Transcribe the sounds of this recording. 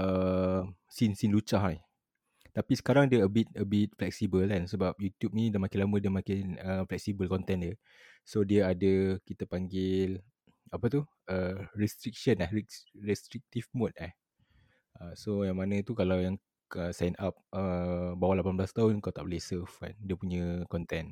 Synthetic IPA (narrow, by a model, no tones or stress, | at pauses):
əm | sinsinlut͡ʃahɛ | t̪apisə̥kaɾaŋdəəbit̪̚əbit̪̚flɛk̚sibəlansəbap̚jut̪jup̚nĩdəmakɪnlamədiəmakɪnəflɛk̚sibəlkɔnt̪ɛ̃ndə | sodiəadəkit̪əpaŋɡɪl | apət̪u | əɹɛst̪ɾik̚ʃənahirɛst̪ɾik̚t̪ifmot̪̚ah | əsojaŋmanə̃t̪ukalawjaŋ | əsajnap̚əbawalapanblast̪aɦʊnuŋkat̪aʔbolehsəfka̰ndiəpuɲə̃kɔnt̪ɛn